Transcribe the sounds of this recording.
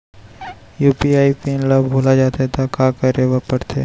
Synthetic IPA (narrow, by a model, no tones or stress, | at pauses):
juːpiaːipiːnlabbʱoːlad͡ʒaːt̪aɛt̪ʰakaːkɐɾeʋapɐɽt̪ʰeː